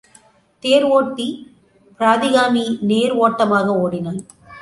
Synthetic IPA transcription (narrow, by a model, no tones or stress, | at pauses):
t̪eːɾoːʈːi | pɪɾaːðɪɣaːmineːɾoːʈːɐmaːɣɐoːɽɪnaː